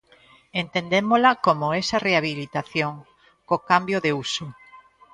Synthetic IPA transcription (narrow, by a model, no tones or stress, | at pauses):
ent̪end̪emolakomoɛsɐreaβilit̪aθjoŋ | kokambjoðeuso